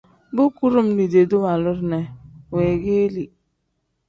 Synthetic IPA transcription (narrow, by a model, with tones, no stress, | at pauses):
bu˦ku˦ɾu˦m̩˦ni˨de˨du˦ma˨lʊ˦ɾne˨we˨ɣe˦li˨